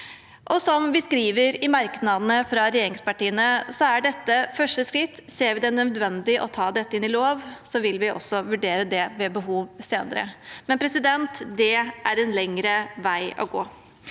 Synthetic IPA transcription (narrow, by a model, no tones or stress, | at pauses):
ʔɔsɔmʋɪskɾiːʋəɾɪmɑɾknɑd̪ənəfɾɑɾɛjeːɾɪŋspɑʈiːənəsɔæɖɛt̪ːəfœʂʈəskɾɪt̪ːseːɾʋɪd̪ɛnœd̪ʋɛnd̪ɪʔɔt̪ʰɑːd̪ɛt̪ːəɪnːɪloːʋsɔʋɪlʋɪʔɔ̰sɔʋʉɖeːɾəd̪ɛʋɛbəɦuːʋseːnəɾə̰mɛnpʰɾɛsɪd̪ɛnt̪d̪ɛæɾɛnlɛŋɾəʋæɪɔ̰ɡoː